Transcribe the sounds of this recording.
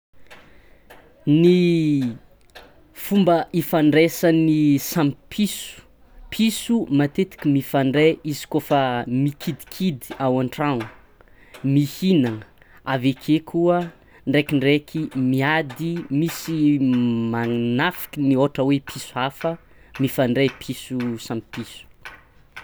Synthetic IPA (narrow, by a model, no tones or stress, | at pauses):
ni | fumbəʔifaɳɖ͡ʐesanisamipʰisu̥ | pʰisumat̪et̪i̥kimifaɳɖ͡ʐeʔizi̥kofəmikʰid̪i̥kʰid̪i̥awaɳʈ͡ʂaŋu | mihinaŋə | avekʰekʰuə | ɳɖ͡ʐekiɳɖ͡ʐekʰimiad̪imisimanafi̥kinioʈ͡ʂəwepʰisuafə | mifaɳɖ͡ʐepʰisusãmpipisu̥